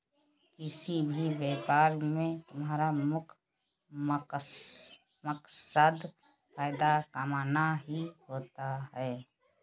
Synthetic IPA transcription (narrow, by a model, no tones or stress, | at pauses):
kɪsibʱibeːpaːɾmẽt̪ʊmɦaːɾamʊkʰ | məksəd̪ | faːɪd̪akəmaːnaɦiɦoːt̪aɦɛː